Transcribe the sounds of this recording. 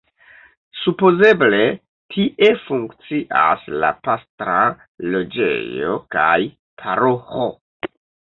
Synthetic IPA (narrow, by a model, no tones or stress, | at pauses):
supo̞ze̞ble̞ | tʰiʔe̞fuŋkt͡siʔa̰sla̰pastɾa | lo̞d͡ʒe̞̰jo̞̰kaj | pʰaɾoxo̞